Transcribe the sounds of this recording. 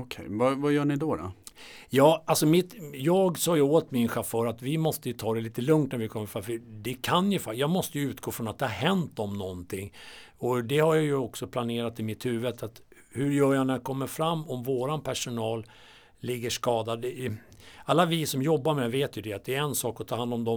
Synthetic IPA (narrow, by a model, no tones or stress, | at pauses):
ɔkʰɛ̰jvavajœːɳɪd̪ɔɾɔ̰jɑːalsɔmɪt̪jɑːɡsɑːɡjəoːt̪mɪnɧafœːɾat̪vɪmɔst̪əjɵt̪ʰɑːd̪ɛliːt̪əlɵŋt̪næɾvɪkʰɔmːəɾfɾamfəd̪ɛkʰanjɵfajɑːɡmɔst̪əjɵʉ̟ːt̪ɡoːfɾɔnat̪d̪ɛhaɾɦɛnt̪ɔmnɔnt̪ʰɪŋː | ɔd̪ɛhaɾjajɵɔksɔpʰlaneːɾat̪ɪmɪt̪hʉ̟ːvəd̪at̪ | hɵɾjœːjanæjakʰɔmːəɾfɾamːɔmvoːɾanpʰæʂʊnɑːl | lɪɡːəʂkɑːd̪ad̪ɛ | alːavɪsɔmjɔbːaɾmɛveːt̪jɵd̪ɛat̪̚d̪ɛɛɛnsɑːkɔt̪ʰɑːhand̪ɔmd̪ɔm